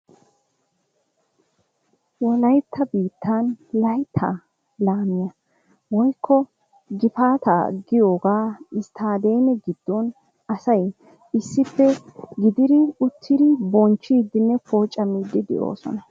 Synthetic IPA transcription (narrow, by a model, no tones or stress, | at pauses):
wɔlɐjt̪ʰːɐbiːt̪ʰːanlɐjt̪ʰːa̰ː | laːmɪjɐ | wɔjkʰːɔ | ɡɪfaːt̪a̰ːɡɪjo̞ːɡaːɪst̪ʰaːd̪ejnɛɡɪd̪̥ːon | ɐsɐj | ɪsːɪpːɛɡɪd̪ɪd̪ɪʊt̪ʰːɪd̪ɪbɔnt͡ʃːiːd̪ɪnːɛpʰoːt͡ʃʼːɐmid̪ɪd̪ɪ̰ʔo̞̰ːsɔ̰nɐ